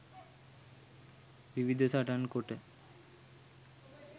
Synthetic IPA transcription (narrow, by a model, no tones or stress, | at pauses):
bibid̪ʱosaʈankoʈe